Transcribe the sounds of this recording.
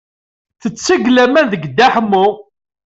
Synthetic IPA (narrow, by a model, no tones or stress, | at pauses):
θət͡sːəɡlæmænðəɡd̪aħmʊ